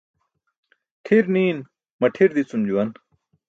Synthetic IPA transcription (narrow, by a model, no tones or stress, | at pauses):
ʈʰiɾniːn | mɐʈʰiɾd̪it͡sumd͡ʑuwɐn